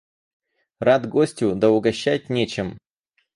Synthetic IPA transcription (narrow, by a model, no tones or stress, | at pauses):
rad̪ɡosʲtʲʊd̪ɐʊɡɐɕːæt̚ʲnʲet͡ɕɪm